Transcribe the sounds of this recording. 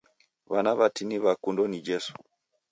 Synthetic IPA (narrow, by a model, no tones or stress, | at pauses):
βanaβatiniβakundɔnid͡ʒɛsu̥